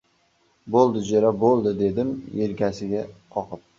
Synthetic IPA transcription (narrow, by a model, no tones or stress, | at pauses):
bolˠd̪ɪd͡ʒeɾabolˠd̪ɪd̪e̞d̪ɪmeɾkʲasɪɡʲaqʰɒqɨp̚